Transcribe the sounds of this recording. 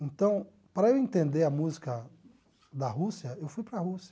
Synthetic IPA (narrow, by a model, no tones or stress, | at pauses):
ẽnt̪ɐ̃w̃ | pɾɐewẽnt̪ẽnd̪eɾɐmuzikɐ | d̪ɐɦusiɐewfujpɾɐhusiɐ